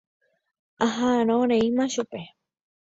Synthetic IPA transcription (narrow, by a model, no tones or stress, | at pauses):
aɦaaɾ̃õɾeimãʃupe